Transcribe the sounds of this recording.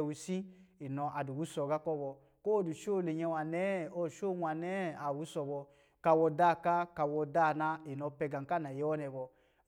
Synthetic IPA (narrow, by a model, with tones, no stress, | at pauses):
wu˨sĩ˦i˨nɔ˧ʔa˨du˨wu˦sɔ˨ɡa˦kɔ˦bɔ˧ | ko˦˨du˨ʃo˦˨le˨ɲɛ˧wa˨nɛ˦ɔ˦˨ʃo˦˨nʷa˨nɛ˦˨a˨wu˦sɔ˧bɔ˧ | ka˧wɔ˧da˦˨ka˦ka˧wɔ˧da˦˨na˧i˨nɔ˧pɛ˧ɡa˨ŋka˦˨na˨jɛ˦wɔ˦nɛ˨bɔ˧